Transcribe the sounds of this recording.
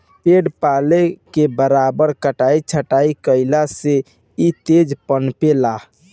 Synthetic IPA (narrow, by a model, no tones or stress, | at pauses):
peɖpalekebəɾabəɾkəʈait͡ʃʰəʈaikəɪlase | it̪ed͡ʒpənpela